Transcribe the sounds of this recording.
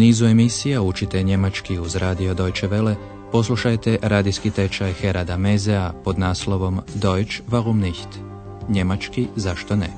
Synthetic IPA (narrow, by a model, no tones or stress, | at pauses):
uniːzue̞misijaut͡ʃit̪eɲe̞mat͡ʃkiuzɾaːd̪io̞d̪o̞jt͡ʃeʋe̞le | po̞s̬lˠuʃajt̪e̞ʔɾaːd̪iskit̪e̞t͡ʃajxe̞ɾad̪amezeapo̞d̪naːslˠo̞ʋo̞md̪o̞jt͡ʃʋaɣumniçt̪ | ɲe̞mat͡ʃkizaʃt̪onḛ